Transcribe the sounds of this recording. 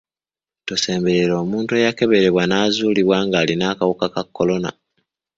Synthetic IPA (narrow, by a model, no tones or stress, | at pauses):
tose̞ːmbe̞ɾe̞ɾo̞ːmuːntue̞jake̞βe̞ɾe̞βwanaːzuːliβwaːŋɡaːlinaːkawokakakːo̞lo̞na̰